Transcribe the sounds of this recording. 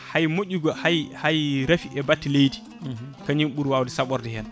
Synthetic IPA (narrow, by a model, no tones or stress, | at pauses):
hajmoɟːuɡɔhajhajɾafiʔɛbatːilejdi | kaɲimɓuɾwawdɛsaɓɔɾdɛhɛn